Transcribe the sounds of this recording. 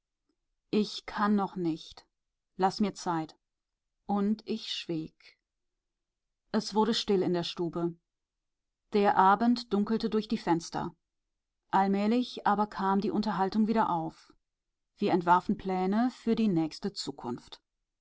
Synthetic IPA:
ʔɪçkʰanːɔχnɪçt | lasmiːɐt͡saɪt | ʔʊntʔɪçʃv̥iːk | ʔɛsv̥ʊɐɾdəʃtɪlɪndeːɐʃtuːbə | d̥eːɐʔaːbn̩td̥ʊŋkl̩tədʊɐçd̥iːfɛnstɐ̰ | ʔalmɛːlɪçʔaːbɐkʰaːmdiːʔʊntɐɦaltʊŋviːɾɐʔaʊf | v̥iːɐɛntv̥aɐfn̩pʰl̥ɛːnəfyːɐdiːnɛːçstət͡suːkʰʊnft

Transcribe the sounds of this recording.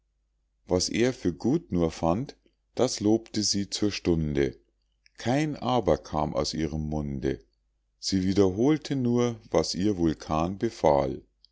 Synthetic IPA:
vasʔḛːɐfyːɐɡuːtnuːɐfant | d̥asloːptəziːt͡suːɐʃtʊndə | kʰaɪnʔaːbɐkʰa̰ːmʔa̰ʊsʔiːʁəmːʊndə̰ | z̥iːviːdɐɦoːltʰənuːɐvasʔiːɐvʊlkʰaːnbəfa̰ːl

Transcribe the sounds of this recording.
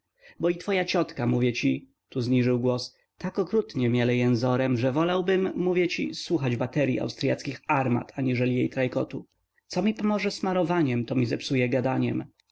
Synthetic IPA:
bɔit̪fɔjat͡ɕɔt̪kamuvʲjɛt͡ɕi | t̪uzɲiʐɘwɡwɔs | t̪akɔkɾut̪ɲɛmʲjɛlɛjɛnzɔɾɛmʐɛvɔlawbɘmːuvʲjɛt͡ɕḭswuxad͡ʑbat̪ɛɾʲjḭʔa̰wst̪ɾʲjat̪skʲixaɾma̰t̪ʰaɲiʐɛlʲijejt̪ɾajkɔt̪u | t̪sɔmʲipɔmɔʐɛsmaɾɔvaɲɛmt̪ɔmʲizɛpsujɛɡad̪aɲɛ̰m

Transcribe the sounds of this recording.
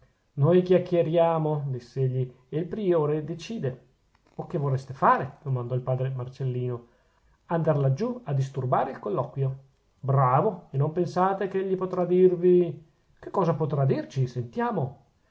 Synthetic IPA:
nojkjakːjeɾjaːmod̪isːeeʎːi | eilpɾioːɾed̪et͡ʃiːd̪e | okːevorɛst̪efaːɾed̪̥omand̪ɔilpaːd̪ɾemart͡ʃelːiːno | and̪aɾlad͡ʒuad̪ːis̬t̪urbaːɾeilkolːɔːkwjo | bɾaːvoenːompensaːt̪ekeʎːipot̪ɾad̪irvi | kekːɔːzapot̪ɾad̪irt͡ʃisent̪jaːmo

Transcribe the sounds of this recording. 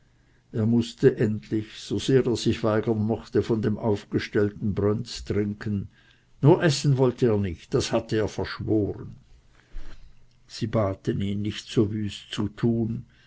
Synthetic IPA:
ʔeːɐmʊstəʔɛntʰlɪçz̥oz̥eːʁeːɐz̥ɪçv̥aɪɡɐnmɔχtəfɔndeːmʔaʊfɡ̥əʃtɛltn̩bʁœnt͡stʁ̥ɪŋkʰənː | uːɐʔɛsn̩vɔltəeːɐnɪçt̚d̥ashatəeːɐfɛɐʃv̥oːʁən | z̥iːbaːtəniːnːɪçtz̥oːvyːst͡sutʰuːn

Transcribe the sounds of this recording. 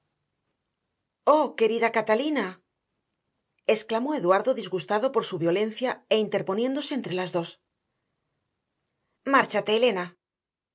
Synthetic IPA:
o̞ke̞ɾiðakat̪alina | e̞sklamo̞e̞ðwaɾðo̞ðizɣust̪aðo̞po̞ɾsuβjo̞le̞nθjae̞int̪e̞ɾpo̞nje̞nd̪o̞se̞ːnt̪ɾe̞lazðo̞s | maɾt͡ʃat̪e̞ːle̞na

